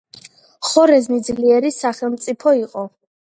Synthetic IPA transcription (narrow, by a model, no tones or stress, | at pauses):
χɔɾɛznid̪zliɛɾisaχɛlˠmt̪sʼipʰɔiqʼɔ